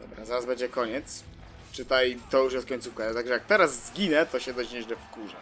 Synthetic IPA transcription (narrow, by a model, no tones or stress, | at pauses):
d̪ɔbɾazaɾazbɛɲd͡ʑɛkɔɲɛt̪s | t͡ʂɘt̪ajt̪ɔjuʂ̬jɛskɔɲʲt̪sufkat̪aɡʐɛjak̚t̪ɛɾazːɡʲinɛt̪ɔɕɛd̪ɔd͡ʑɲɛʑlɛfkuʐa